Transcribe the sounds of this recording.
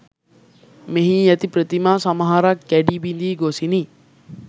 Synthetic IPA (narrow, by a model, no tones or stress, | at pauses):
meɦĩjɛt̪ipɾət̪imaːsamɐɦaɾakːæɖibind̪iːɡosini